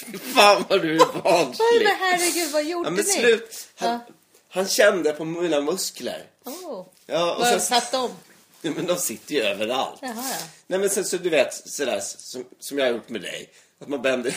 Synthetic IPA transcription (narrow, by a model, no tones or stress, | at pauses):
fɪfaːnvaɖɵbɑːnhæɾːɛɡʉ̟ːd̪vajuʔaːmɛnslʉ̟ːt̪han | hanɕɛnd̪əpʰɔmiːnamɵsklə̰ɾ | jɑːɔ̰sɛsat̪ːɔm | juːmɛnd̪ɔmsɪt̪ːəɾjɵøːvəɾa̰lt̪ːnɛmɛnsɛnsɔd̪ɵveːt̪sɔd̪æ̰ːʂsɔmsɔmjɑhaɾjʊʈːmɛd̪ɛ̰j | at̪manbɛnd̪ə